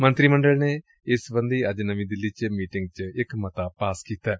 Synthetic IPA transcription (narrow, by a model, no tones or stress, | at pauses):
mə̃nt̪ɾiːmə̃ɳɖəlneː | ɪsbə̃nd̪iːɐd͡ʒnəʋĩːd̪ɪlːiːt͡ʃmiːʈɪ̃ŋɡ̚t͡ʃɪkmət̪aːpaːskiːt̪aː